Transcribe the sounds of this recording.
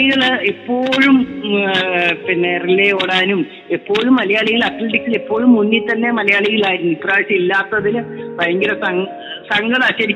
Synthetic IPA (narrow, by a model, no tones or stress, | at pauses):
iɣɐɭipːo̞ːɻum | pinːeːrileoːɽaːnum | epːo̞ːɻumːɐlɐjaːɭiɣɐɭɐkleʈiksilipːo̞ːɻumːunːit̪ɐnːe̞mɐlɐjaːɭiɣɐɭaːjiɾunːuipraːɻsiilːaːt̪ːɐðilpɐjɐŋɡilɐsɐ | sɐŋɡɐðaːt͡ɕːɐɾikː